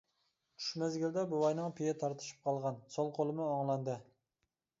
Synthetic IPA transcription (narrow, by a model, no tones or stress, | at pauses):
t͡ʃʰy̥ʃmɛzɡʲild̪ɛbuwɑjnɨŋpʰijɛt̪ʰɑɾt̪ʰɨ̥ʃɨ̥p̚qʰɑlˠʁɑnsolˠqʰolˠɨmɨoŋlˠɑnd̪ɨ